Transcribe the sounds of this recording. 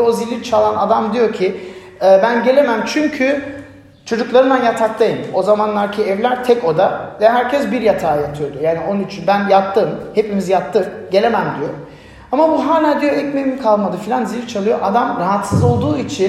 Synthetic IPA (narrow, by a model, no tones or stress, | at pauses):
o̞zilʲit͡ʃʰalˠanad̪amd̪ijo̞cʰi | ɛːbænɟe̞lʲe̞mæmt͡ʃʰyɲcʰy | t͡ʃʰo̞d͡ʒuklˠaɾɯnd̪anjat̪ʰak̚lˠajɯmo̞zamanlˠaɾcʰiɛvlʲæɾt̪ʰɛko̞d̪avɛɦæɾcʰɛsbiɾjat̪ʰaːjat̪ʰɯjo̞d̪ujaːnionyt͡ʃʰynbænjat̚t̪ʰːɯːmhe̞pimizijat̪ʰːɯ | ɟe̞lʲe̞mæmd̪ijo | amabunɦaːlʲand̪ijo̞ɛcmemimkʰalˠmad̪ɯfilʲanzilʲt͡ʃʰalˠɯjo̞ʔad̪amɾaɦat̪sɯzo̞lˠd̪uːit͡ʃʰin